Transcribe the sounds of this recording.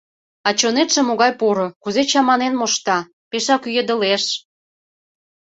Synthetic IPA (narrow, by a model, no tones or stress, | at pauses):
ɑt͡ɕonet̪ʃĕmoɣɑjpoɾokuzet͡ɕɑmɑnenmoʃt̪ɑ | peʃɑkyjed̪ə̆leʃ